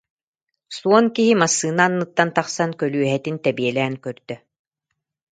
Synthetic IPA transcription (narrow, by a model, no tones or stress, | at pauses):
suɔnkiɦimasːɯːnaːnːɯt̪ːant̪aχsankœlyœɦɛt̪int̪ɛbiɛlɛːŋkœɾd̪œ